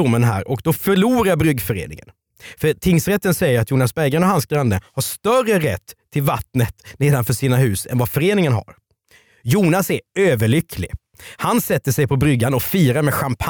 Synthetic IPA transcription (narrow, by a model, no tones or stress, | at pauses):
ʊmːənɦæ̰ːɾʔɔkd̪ɔfœɭuːɾaɾbɾʏɡfœɾḛːnɪ̰ŋə̰n | fœɾt̪ʰɪŋsɾɛt̪ːənsɛjːəɾat̪juːnasbɛɡɾɛnɔhansɡɾand̪əhaʂt̪œrəɾɛt̪ʰːɪlvat̪nət̪neːd̪anfœʂiːnaɦʉ̟ːsɛ̰nvafœɾeːnɪŋənɦa̰ɾ | juːnasæɾøːvəɭʏkʰlɪ̰ | hansɛt̪ːəʂɛjpʰɔbɾʏɡːanɔfiːɾaɾmɛɧampʰ